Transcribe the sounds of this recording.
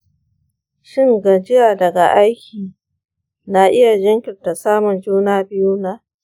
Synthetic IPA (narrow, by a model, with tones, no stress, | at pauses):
ʃɪ˦ŋɡɐ˨d͡ʒɪ˦jaː˨dɐ˨ɡa˨ʔa˦jkʲʰiː˨ | na˨ʔɪ˦ja˨d͡ʒɐ˦ŋkʲɪ˨rta˨saː˦mʊ˨nd͡ʒuː˦naː˦bɪ˦juː˦na˦